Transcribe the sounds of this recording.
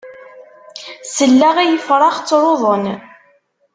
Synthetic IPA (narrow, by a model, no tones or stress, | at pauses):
səlːæʁæjəfɾˤɑχt͡sːɾˤoðˤən